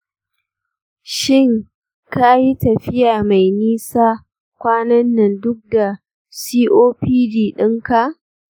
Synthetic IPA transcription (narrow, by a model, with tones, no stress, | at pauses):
ʃɪ˦˨ŋ | ka˦ji˦tɐ˨ɸɪ˦jaː˨ma˨jniː˦saː˦ | kʷaː˦nɐ˦nːɪ˨ndʊ˦k̚da˨ | siː˦ʔoː˦piː˦diː˨ɗɪ˦ŋka˨ʔ